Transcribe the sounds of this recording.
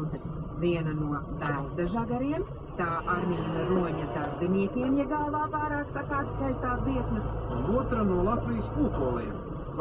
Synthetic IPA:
t̪vʲiɛnɐnuɔd̪aw̪d̪ɐʒaɡaɾiɛm | t̪aːʔaɾmʲiːnɐɾuɔɲat̪azd̪ɛnʲiɛt̪ʲiɛmjɛɡalˠvaːvajɾaːksakaːpʲskajst̪aːt̪b̪iɛsnɐsunuɔt̪ɾanuɔlˠat̪vʲijspuːkulˠḭːɛm

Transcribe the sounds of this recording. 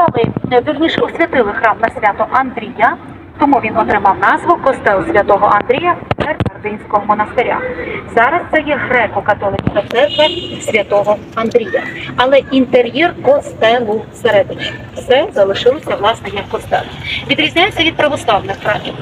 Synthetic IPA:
ɐlˠɪd̪ʊrnʲiʃɛɔsʲʋʲɐt̪ɪlˠɪxɾɑmnɐsʲʋʲɑt̪ʊʔɐnd̪ɾʲija | t̪ɔmuʋʲinɔt̪ɾɪmɑwnɑzʋʊkɔst̪ɛlˠsʲʋʲɐt̪ɔɦɔʔɐnd̪ɾʲijɐperkɔrd̪ɪnʲsʲkɔɦɔmɔnɐst̪eɾʲa̰zɑɾɐst̪sɛjɛɦɾɛkɔkɐt̪ɔlˠɪkʲipɛt̪sɛrkʋɐsʲʋʲɐt̪ɔɦɔ | ɐnd̪ɾʲijɐɐlˠɛint̪eɾʲjɛrkɔst̪ɛlˠʊseɾɛd̪ɪt͡ʃ | sɛzɐlˠɪʃɪlˠɔsʲɐʋlˠɑsnɛjɐkːɔst̪ɛ̰lˠʋʲid̪ɾʲizʲnʲajet͡sʲːɐʋʲid̪̚pɾɐʋɔslˠɑwnɪxxɾɑmʲi

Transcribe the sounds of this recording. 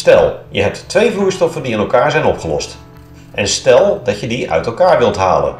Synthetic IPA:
stɛ̰lˠjəɦɛp̚tːʋejvuːɹstɔfəndiɪnɛlˠkaːɹzɛjnɔpχəlɔ̰st | ʔɛnstɛlˠdɑtjədiœ̰ɥtɛlˠkaːɹʋɪlˠtɦa̰ːlə̰n

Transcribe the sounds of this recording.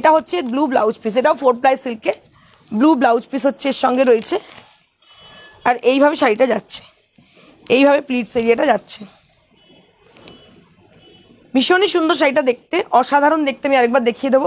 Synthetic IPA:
eʈaɦotːɕʰeblublawd͡ʑpiseʈaofoɾplajsilke | blublawd͡ʑpisɦotːɕʰeeɾʃɔŋɡeɾoet͡ɕʰe | aɾejbʱabeʃaɾiʈad͡ʑatːɕʰe̥ | ejbʱabepliʈseɾiaʈad͡ʑatːɕʰe | miʃoniʃund̪oɾʃ̬aɾiʈad̪ek̚t̪eʔɔʃad̪ʱaɾond̪ek̚t̪eamiaɾek̚baɾd̪ekʰied̪ebo

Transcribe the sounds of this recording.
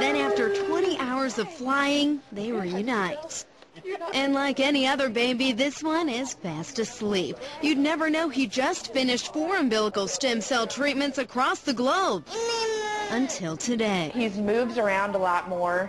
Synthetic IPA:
ðɨ̃næftə˞tʰw̥ɛ̃ɾ̃iʔaʊə˞zʌv̥flaɪɪ̃ŋðeɪwəijʉnaɪt | ʔɨ̃nlaɪkɛniʌðə˞beɪbiðɪswʌ̃nɪz̥fæstɨslipjɨdⁿnɛvə˞noʊid͡ʒʌstfɪ̃nɨʃtfɔɹɨ̃mbɪlˠəkl̩ˠstɪ̃msɛlˠtʰɹ̥it̚mɨ̃ntsɨkʰɹ̥ɔsðɨɡloʊb̥̚ | ʔɨ̃ntʰɪlˠtʰɨdeɪhizmʉvzə˞ãʊ̃ndəlɔt̚mɔɹ

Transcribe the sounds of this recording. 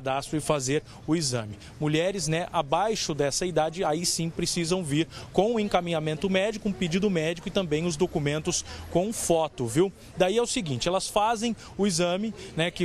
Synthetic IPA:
d̪ast̪ɾʊɪfazeɾ | ʊizɐ̰̃mɪ | muʎɛɾɪznɛʔabajʃʊd̪ɛsɐid̪ad͡ʒɪaisĩpɾesizɐ̃w̃viɾkõw̃ʊẽŋkamĩɲamẽnt̪ʊmɛd͡ʒikʊũped͡ʒid̪ʊmɛd͡ʒikʊɪt̪ɐ̃mbẽj̃ʊzd̪okumẽnt̪ʊskõw̃fɔt̪ʊviw | d̪aiɛʊsɪɡĩt͡ʃɪɛlɐsfazẽj̃ | ʊizɐ̃mɪnɛkɪ

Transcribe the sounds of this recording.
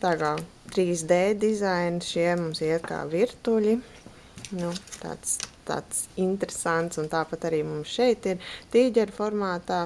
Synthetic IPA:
t̪aːɡalˠ | t̪ɾiːsd̪ɛːd̪izajnsʃiɛmumsiɛt̪ka̰ːʋiɾt̪ulʲi | nut̪a̰ːt̪st̪a̰ːt̪sint̪eɾesant̪sunt̪aːpat̪aɾiːmumsʃɛjt̪iɾt̪iːɟʲɛɾʲfɔɾmaːt̪aː

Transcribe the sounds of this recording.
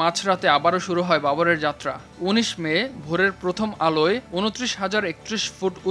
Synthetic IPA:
at͡ɕʰɾat̪eabaɾoʃuɾuɦɔebaboɾeɾd͡ʑat̪ːɾa̰ | uniʃmebʱoɾeɾpɾot̪ʰomaloeunut̪ːɾiʃɦad͡ʑaɾek̚t̪ɾiʃfuʈu

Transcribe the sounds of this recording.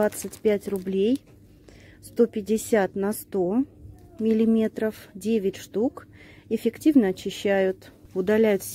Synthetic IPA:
at̪sɨtʲpʲætʲrʊblʲej | st̪o̞pʲɪdʲɪsʲat̪nɐst̪o̞mʲɪlʲɪmʲe̞t̪ɾəfdʲevʲɪtʲʂt̪ukɪfʲɪktʲivnəɐt͡ɕːɪɕːæjʊt̪ʊd̪ɐlʲæjʊt̪sʲ

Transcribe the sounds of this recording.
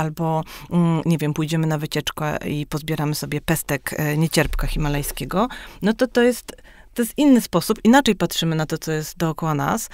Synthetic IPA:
albɔ | ɲɛvʲjɛmpujd͡ʑɛmɘnavɘt͡ɕɛt͡ʂkɔ̰ipɔzbʲjɛɾamɘsɔbʲjɛpɛst̪ɛkɲet͡ɕɛɾpkaxʲimalɛjskʲɛɡɔnɔt̪ɔt̪ɔjɛst̪t̪ːɔjɛst̪ʔinːɘspɔsupinat͡ʂɛjpat̪ʂɘmɘnat̪ɔt̪sɔjɛst̪d̪ɔːkɔwana̰s

